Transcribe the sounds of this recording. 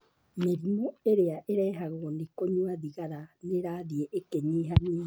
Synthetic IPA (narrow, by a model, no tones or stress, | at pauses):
meɾimoeɾeaʔeɾɛːɦaɣonekoɲwaðiɣaɾaneɾaðieʔekeɲiːɦaniː